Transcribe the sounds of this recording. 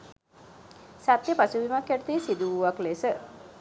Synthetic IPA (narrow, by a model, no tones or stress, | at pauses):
sat̪jəpasuʋimakjæʈət̪isid̪uʋuʋaklesə